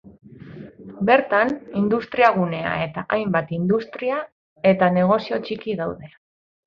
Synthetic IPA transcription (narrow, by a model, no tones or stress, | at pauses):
be̞ɾt̪anind̪ust̪ɾiaɣune̞a̰e̞t̪aʔajmbat̪ind̪ust̪ɾia | e̞t̪ane̞ɣ̞o̞sio̞t͡ʃikiðawðe̞